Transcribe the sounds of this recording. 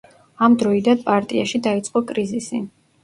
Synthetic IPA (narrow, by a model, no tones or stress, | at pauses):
amd̪ɾɔid̪anpʼaɾt̪ʼiaʃid̪ait̪sʼqʼɔkʼɾizisi